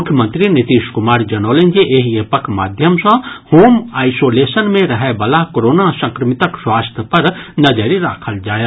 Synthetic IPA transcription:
mʊkʰjəmə̃nt̪ɾinɪt̪iːʃkʊmaːɾd͡ʒɐnoːlẽnd͡ʒiʔeɦepəkʰma̰ːd̪ʱjəmsə̃hoːmaːɪsoːleːsənmẽɾɐɦebɐlakoɾoːnasɐ̃ŋkɾəmɪt̪əkswaːst̪ʰjəpɐɾnɐd͡ʒəɾiɾa̰ːkʰəld͡ʒaːje

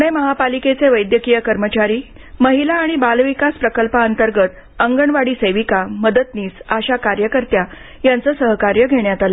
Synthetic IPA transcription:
uɽeməɦapaliket͡seʋəjd̪jəkijəkəɾmət͡ɕaɾiː | məɦilaːɽ̃ibalʋikaspɾəkəlpaənt̪əɾɡət̪ | əŋɡəɳʋaɽiːsəjʋikaməd̪ət̪niːsaɕakaɾjəkəɾt̪ja | jant͡səːsəɦkaɾjəɡʱeɳjat̪ala

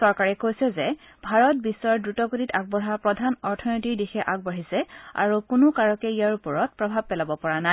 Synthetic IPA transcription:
sɔɹkaɹɛkojsɛzɛ | bʱaɹɔt̚bisːɔɹdɹutɔkutitaɡ̚bɔɦapɹɔdʱanɔɹtʰɔnotiɹdixɛʔaɡ̚bɔɦisɛa̰ɹukʊnʊkaɹɔkɛijaɹupɔɹɔt̚pɹɔbʱab̚pɛlabɔpɔɹana

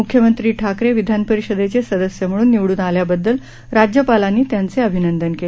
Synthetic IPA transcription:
ukʰjəmənt̪ɾiːʈʰakɾeʋid̪ʱanpəɾiɕəd̪et͡sesəd̪əsjəm̤əɽuːnːiʋɽuːnaljabəd̪ːəl | ɾad͡ʑjəpalanːiːt̪jant͡seəbʱinənd̪ənkele

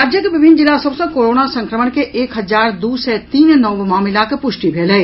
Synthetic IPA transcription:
aːd͡ʒjəkeʋɪbʱɪnːd͡ʒɪlasɐbsə̃koːɾoːnasə̃ŋkɾəməɽkeʔeːkɦɐzaːɾd̪uːsɛt̪iːnnɔʋmaːmɪlakepʊʃʈibʱeːləe

